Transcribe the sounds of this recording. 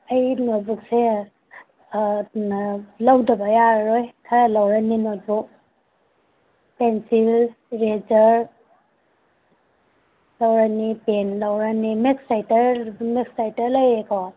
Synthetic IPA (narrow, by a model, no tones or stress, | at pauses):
ɐjnot̚buk̚se | nlawdɐbɐjaɾɾojkʰaɾalawɾaninot̚buk̚ | pensill | ɾed͡ʒɐɾ | lawɾanipenlawɾanimeksajtɐɾmeksajtɐɾlajekʰɔ